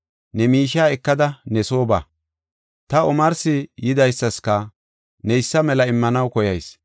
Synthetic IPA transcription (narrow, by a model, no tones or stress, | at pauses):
nɛmiːʃaːɛkːɐd̪ɐnɛso̞ːba̰ː | t̪ɐɔmɐɾsɪjɪd̪ɐjsːɐskɐ | nɛɪsːɐmɛlɐɪmːɐnɐwkɔjɐjs